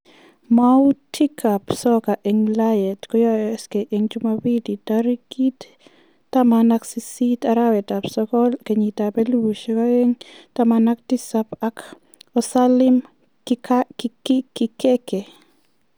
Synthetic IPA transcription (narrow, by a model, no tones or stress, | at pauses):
mautʰikʰapsɔkaʔeŋlajɛtkɔjɔskeʔeŋd͡ʒumawiditaɾikitː | amanaksisitaɾawɛtapsɔkɔlkeɲitapeluuʃekaeŋtamanak̚tisapak | ɔsalɪm | kkikɪkeke